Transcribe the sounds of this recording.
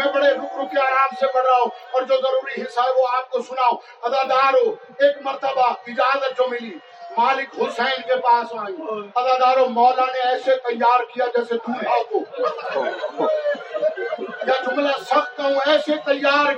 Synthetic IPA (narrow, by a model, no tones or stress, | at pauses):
mɛ̃bəɽeɾʊkʰɾʊpjaːɾaːmsebəɽɾaːoɔːɾd͡ʒoːzəɾuːɾiɦɪsaːoaːp̚t̪osʊnaːo | ɐd̪aːd̪aːɾo | eːkməɾt̪əbaɪd͡ʒaːzət̪t͡ʃomɪliː | maːlɪkɦosɛɪnkepaːsaːjĩɐd̪aːd̪aːɾomɔːlaneɛːset̪əjːaːɾkɪjad͡ʒɛːsed̪uːɾpaːt̪oː | jaːt̪ʰʊ̃mlasəb̚kaũɛːset̪əjːaːɾ